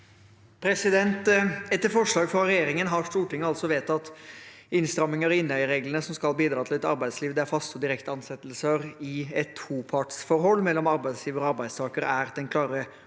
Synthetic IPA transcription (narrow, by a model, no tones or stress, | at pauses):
pʰɾɛsɪd̪ɛnt̪ɛt̪ːəɾfɔʂɭɑːɡfɾɑɾɛjeːɾɪŋənɦɑɾʂt̪uːʈɪŋːəɑlt̪sɔʋeːt̪ɑt̪ | ɪnst̪ɾɑmːɪŋəɾɔɪnːœʏəɾeːɡlənəsɔmskɑlbiːd̪ɾɑːt̪ʰɪlɛt̪ɑ̰ɾbæɪd̪sliːʋd̪ɛæɾfɑst̪ɔd̪ɪɾɛkt̪əɑnsɛt̪ːlsəɾɪɛt̪ʰːuːpʰɑʈsfɔɾɦɔlːmɛlːɔmɑɾbæɪd̪sliːʋəɾɔɑɾbæɪst̪ʰɑːkəɾə̰æɾd̪ɛnkʰlɑːɾə